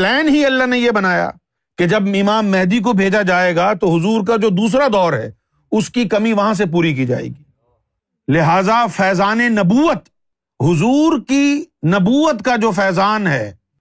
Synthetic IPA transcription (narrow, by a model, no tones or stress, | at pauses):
plɛːnɦiɐlːaɦnejebɐnaːja̰ː | ked͡ʒɐbɪmaːmːɛɦd̪ik̬obʱeːd͡ʒad͡ʒaːeɡat̪oɦʊzuːɾk̬ad͡ʒoːd̪uːs̬ɾad̪ɔːɾɦɛ̰ː | ʊskikɐmĩʋɐɦãs̬epuːɾik̬id͡ʒa̰ːḛːɡiː | lɪɦaːzafɛːzaːnenɐbuːət̪ | ɦʊzuːɾkinɐbuːət̪kad͡ʒoːfɛːzaːnɦɛː